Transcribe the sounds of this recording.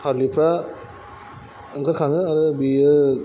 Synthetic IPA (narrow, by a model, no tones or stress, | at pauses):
pʰaɾlipʰɾa | ɯŋkʰɯɾkʰaŋɯaɾɯbiɯ